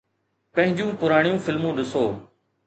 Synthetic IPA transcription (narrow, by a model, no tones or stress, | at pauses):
pɐ̃ɦɪ̃ɲd͡ʑũːpʊɾaːɽ̃ɪjũːfɪlmũːɗɪsoː